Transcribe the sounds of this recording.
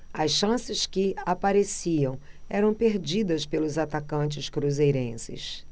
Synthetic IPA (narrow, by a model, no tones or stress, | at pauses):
ɐsʃɐ̃sɪskɪapaɾesiɐ̃w̃ | ɛɾɐ̃w̃peɾd͡ʒid̪ɐspelʊzat̪akɐ̃t͡ʃɪʃkɾuzejɾẽsɪ̰s